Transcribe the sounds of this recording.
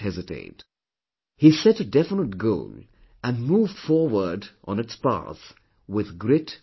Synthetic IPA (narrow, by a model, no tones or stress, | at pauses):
hɛzɨtʰḛɪt | hisɛɾɨdɛfənət̚ɡoʊl | ɨ̃nmuvd̥fɔɹwə˞dʔnɨtspa̰θ | wɪðɡɹɪt